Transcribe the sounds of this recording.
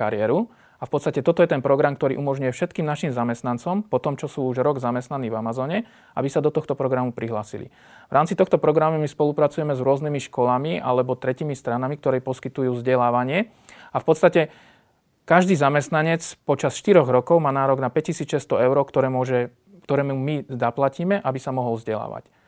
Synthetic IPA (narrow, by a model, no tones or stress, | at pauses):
kaɾɪɛɾu | afpɔt̪st̪acɛt̪ɔt̪ɔjɛt̪ɛnpɾɔɡɾamkt̪ɔɾḭʔumɔʒɲujɛfʃɛt̪kiːmnaʃimzamɛst̪nant͡sɔmpɔt̪ɔmt͡ʃɔsuːuʒɾɔɡzamɛst̪naniːvamazɔːɲɛ | ʔabisad̪ɔt̪ɔxt̪ɔpɾɔɡɾamupɾiɦlaːsḭlḭ | ʋɾaːmt͡sit̪ɔxt̪ɔpɾɔɡɾamumispɔlupɾat͡sujɛmɛzɾʊɔznimiʃkɔlamiʔa̰lɛbɔt̪ɾɛcimist̪ɾanamikt̪ɔɾɛːpɔskit̪ujuːvzɟɛlaːʋaɲɪɛ | afpɔt̪st̪acɛ | kaʒd̪iːzamɛst̪naɲɛt͡spɔt͡ʃasʃt̪iɾɔɣɾɔkɔʊmaːnaːɾɔɡnapɛc̚cisiːt͡sʃɛst̪ɔɛʊɾɔkt̪ɔɾɛːmʊɔʒɛ | kt̪ɔɾɛːmumiaplaciːmɛʔabisamɔɦɔlvzɟɛla̰ːʋa̰c